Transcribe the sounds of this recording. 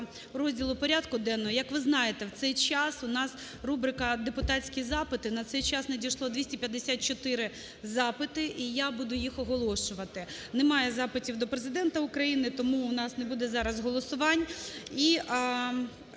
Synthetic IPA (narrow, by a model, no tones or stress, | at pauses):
ɾɔzʲdʲilˠʊpɔɾʲad̪kʊd̪ɛnːɔɦɔjɐkʋɪznɑjet̪ɛwt̪sɛjt͡ʃɑsʊnɑs | rubɾɪkɐd̪epʊt̪ɑtʲt͡sʲkʲizɑpɪt̪ɪnɐt̪sɛjt͡ʃɑsnɐdʲijʃlˠɔd̪ʲʋʲisʲtʲipʲjɐd̪ːesʲat̪̚t͡ʃɔt̪ɪɾɪ | zɑpɪt̪ɪʔijabud̪ʊjixɔɦɔlˠɔʃʊʋɐt̪ɪ | nɛmɑjɛzɑpɪtʲiwd̪ɔpɾezɪd̪ɛnt̪ɐʊkɾɐjinɪt̪ɔmuːnɑsnɛbud̪ɛzɑɾɐzɦɔlˠɔsʊʋɑnʲi